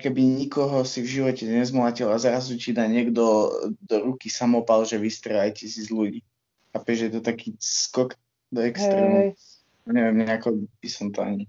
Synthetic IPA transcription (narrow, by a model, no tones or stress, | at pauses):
kɛbiɲikɔɦɔsivʒiʋɔcɛɲɛzmlacilazɾazucid̪aːɲɪɛɡd̪ɔd̪ɔɾukisamɔpalʒɛʋist̪ɾɛlajcɛsizluɟiː | apɛʒjɛt̪ɔt̪akiːskɔk | d̪ɔɛkst̪ɾɛmɛ | aɲɛʋɛmɲɛakɔb̥isɔmt̪ɔa̰ɲi